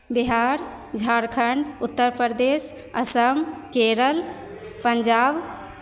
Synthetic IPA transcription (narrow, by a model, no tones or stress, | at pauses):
biɦaːɾ | d͡ʒʱaːɾkʰəɳɖʊt̪ːəɾpəɾd̪eːs | əsəmkeːɾəl | pəɲd͡ʒaːb